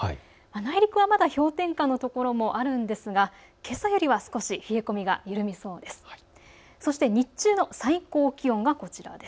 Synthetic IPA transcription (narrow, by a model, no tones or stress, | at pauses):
manaiɾʲikɯ̟β̞amad̪aço̞ːt̪ẽ̞ŋkanːo̞t̪o̞ko̞ɾo̞mo̞ʔaɾɯ̟̃nd̪e̞sɨɡa | ke̞sajo̞ɾʲiβasɨ̥ko̞ɕiɸie̞ko̞mʲiɡa̰jɯ̟ɾɯ̟mʲiso̞ːd̪e̞sɨ̥ | so̞ɕi̥t̪eɲ̟it͡ɕɨːno̞saiko̞ːkʲiõ̞ŋɡako̞t͡ɕiɾa̰d̪e̞s